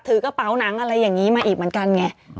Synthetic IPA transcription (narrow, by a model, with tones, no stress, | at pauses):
t̪ʰɯː˩˦kɔː˥˩pa˦˥wna˩˦ŋʔa˧ɾa˧jːaː˨˩ŋiː˦˥maː˧ʔiː˨˩k̚mɯ˩˦nka˧nŋɛ˦˥